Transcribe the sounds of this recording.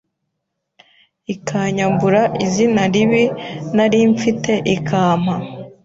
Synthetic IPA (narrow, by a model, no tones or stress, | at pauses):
ikʰaɲambuɾaʔizinaɾiβinaɾiːɱfite̞ʔikʰaːm̥ha